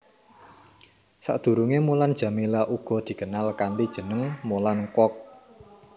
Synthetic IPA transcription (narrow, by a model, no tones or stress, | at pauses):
sa̰ʔd̪̥ṳɾuŋemuland̥ʒ̥ä̤milaʔuɡ̥ɔ̤d̪̥i̤kənalkanlid̥ʒ̥ə̤nəŋmolankɔk̚